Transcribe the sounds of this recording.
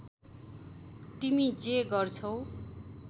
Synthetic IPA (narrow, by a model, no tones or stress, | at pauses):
t̪imid͡zeɡʌrt͡sʰʌw̃